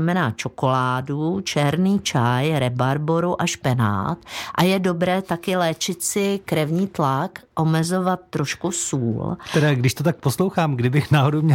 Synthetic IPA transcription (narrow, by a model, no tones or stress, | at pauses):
amɛnaːt͡ʃo̞ko̞laːdut͡ʃɛɾniːt͡ʃajɾɛbaɾboɾuʔaʃpɛna̰ːt̪ʔajɛdo̞bɾɛːt̪akɪlɛːt͡ʃɪt̪sɪkɾɛvɲiːt̪lakʔo̞mɛzo̞vat̪ːɾo̞ʃkusuːlt̪ɛɾaːɡdɪʃt̪ot̪ak̚poslowxaːmɡdɪbɪxnaːɦodowmɲɛ